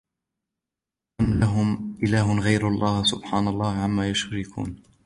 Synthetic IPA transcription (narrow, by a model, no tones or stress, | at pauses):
amlaɦʊmʔɪlaːɦʊnɣajɾɑlˤːɑːhsʊbħaːnalˤːɑːhʕamːaːjʊʃɾɪkṵːn